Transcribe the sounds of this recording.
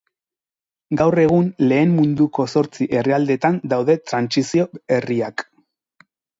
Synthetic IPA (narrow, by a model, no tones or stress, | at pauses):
ɡawre̞ɣ̞unle̞ːmmund̪uko̞so̞ɾt͡siʔe̞reald̪e̞t̪and̪awðe̞t̪ɾansisio̞eriak